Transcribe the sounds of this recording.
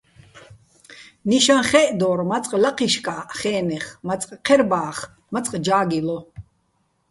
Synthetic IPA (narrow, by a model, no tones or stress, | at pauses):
niʃanχɛːʔd̪ɔɾmat͡sʼqʼlaqʰiʃkʼaχɛːnɛχmat͡sʼqʼqʰɛɾbaːχ | mat͡sʼqʼd͡ʒaːɡilɔ